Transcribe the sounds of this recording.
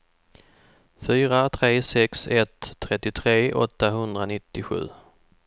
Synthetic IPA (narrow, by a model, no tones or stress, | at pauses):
fyːɾat̪ʰɾeːsɛksɛt̪ʰːɾɛt̪ːɪt̪ʰɾeːʔɔ̰t̪ːaɦɵnd̪ɾanɪt̪ːɪɧʉ̟̰ː